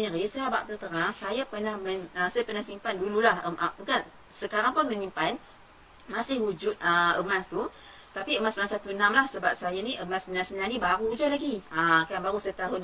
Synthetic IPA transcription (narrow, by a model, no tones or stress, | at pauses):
ɲəɾisəaba̰ʔt̪ut̪ənaŋsajapərnahməɲəsajapərnahsimpandululahəʔəmukan | səkaɾaŋpʊnmə̃ɲimpan | masɪhud͡ʒʊt̪̚əə̰mast̪u | t̪apiəmasəlãsat̪uənamlahsəbap̚sajaniʔəmasənãsənanĩbaɾud͡ʒalaɡiəkaabaɾusaat̪aɦʊn